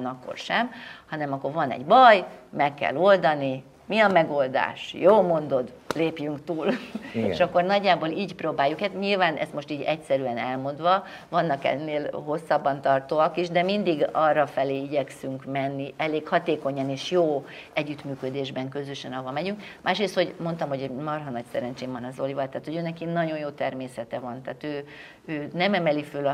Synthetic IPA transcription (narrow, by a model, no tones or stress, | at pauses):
nɒkːo̰rʃɛmhɒnɛmɒkːo̞rvɒnɛ̰ɟbɒjmɛkːɛ̰lo̞ld̪ɒni | miɒmɛɡo̞ld̪a̰ːʃjoːlmo̞nd̪o̞d̪ | leːpjyŋkt̪uːlḛʃɒkːo̞rnɒɟːaːboːliːɟproːbaːjːukɛt̪ɲilvaːnʔɛ̰st̪mo̞ʃt̪iːɟɛcsɛɾyɛnɛ̰lmo̞nd̪ʋɒ | vɒnːɒkɛ̰nːeːlɦo̞sːɒbːɒnt̪ɒrt̪oːɒkiʒd̪ɛmind̪iɡɒrːɒfɛleːiɟɛksyŋkmɛnːiʔɛleːkhɒt̪eːko̞ɲɒneːʃjoː | ɛɟːyt̪myːkød̪eːʒbɛŋkø̞zøʃɛnɒvɒmɛɟyŋkmʔaːʃɾeːst̪ho̞ɟmo̞nt̪ɒmɦo̞ɟmɒrɦɒnɒcsɛɾɛnt͡ʃeːɱvɒnɒzo̞livɒlt̪aːt̪ho̞ɟøːnɛkinɒɟo̞njoːt̪ɛrmeːsɛt̪ɛvɒnt̪ɛːt̪øː | øːnɛmɛmɛlifølɒ